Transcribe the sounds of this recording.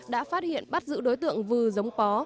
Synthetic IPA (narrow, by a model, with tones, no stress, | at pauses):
ɗa̰ː˧˥faː˦˥t̚hḭ˧˨ənɓa˦˥t̚zɨ̰˧˥ɗo˨˦jt̪ɨ̰˧˨əŋvɨː˨˩zə˨˦wŋ͡mkɔ˨˦